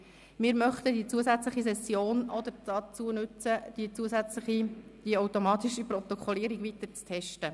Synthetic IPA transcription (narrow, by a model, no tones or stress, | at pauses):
mɪːɾmœχt̪əd̥it͡suəzæt͡sləχis̬ɛsːjoːnɔd̪əɾd̥ɑt͡suənʉt͡səd̥̪it͡suəzæt͡sləχid̥iawtomɑːt̪ɪʃiprɔt̪ɔkχɔliːəɾiɡʋit̪əɾt͡stʰɛʃtə